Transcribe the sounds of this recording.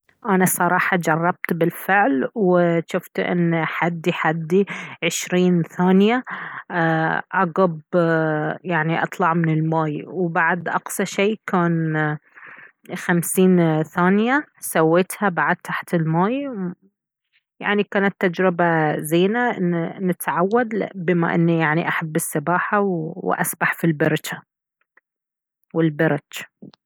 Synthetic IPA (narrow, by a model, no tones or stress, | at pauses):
ʔanasˤɑɾˤɑːħɑd͡ʒɑrˤːɑb̚t̪bɪlfɪʕlwɪʃʊft̪ʔɪ̰nːħad̪ːiħad̪ːiʕɪʃɾiːnθaːnja | ʔɑɡɑb | jaʕniʔɑ̰t̪ˤlɑʕmɪnɪlmaːjwbaʕd̪ʔɑqsɑʃeːkaːn | xamsiːnθaːnjasawːeːt̪habaʕd̪̚t̪ʰaħt̪ɪlmaːj | ja̰ʕnikaːnat̪ːad͡ʒɾɪbazeːnaʔɪnnɪt̪ʕawːad̪bɪma̰ʔɪ̰nːijaʕniʔaħabːɪsːɪbaːħawwʔa̰sbaħfilbɑɾˤd͡ʒa | wɪlbɑɾˤɑd͡ʒ